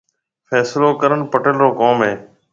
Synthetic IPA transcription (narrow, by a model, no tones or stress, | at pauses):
fʰɛːsloːkəɾənpəʈəlɾoːkoːmɦẽː